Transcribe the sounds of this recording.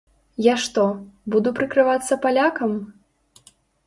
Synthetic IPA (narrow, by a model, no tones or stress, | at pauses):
jaʂt̪ɔbud̪upɾɨkɾɨvat̪sːɐpalʲakɐm